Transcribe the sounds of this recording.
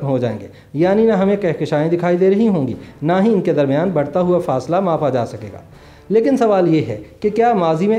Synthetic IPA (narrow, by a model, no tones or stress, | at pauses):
mɦod͡ʒaːḛ̃ːŋɡeː | jaːninɐɦɐmẽkɐɦkɪʃaːẽd̪ɪkʰaːid̪eːɾɐɦiɦõːɡḭːnaɦiɪnked̪ɐɾmijaːnbɐɽ̤t̪aɦʊafaːslamaːfad͡ʒa̰ːsɐkḛːɡa̰ː | leːkɪnsɐʋaːljeɦɛkekjaːmaːzimẽ